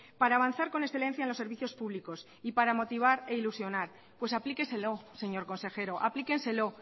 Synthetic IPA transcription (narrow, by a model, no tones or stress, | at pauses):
paɾaːβanθaɾko̞nesθe̞lẽ̞n̟θjaenlose̞ɾβiθjo̞spuβliko̞s | ipaɾamo̞t̪iβ̞aɾe̞ilusjo̞naɾ | pwe̞saplike̞nse̞lo̞se̞ɲo̞ɾko̞nse̞xe̞ɾo̞ʔaplike̞nse̞lo̞